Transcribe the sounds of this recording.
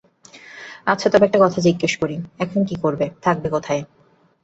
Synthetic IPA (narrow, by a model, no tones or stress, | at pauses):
at͡ɕʰat̪ɔbiɛk̚ʈakɔt̪ʰad͡ʑiɡːeʃkoɾiɛkʰonkikoɾbet̪ʰak̚bekot̪ʰae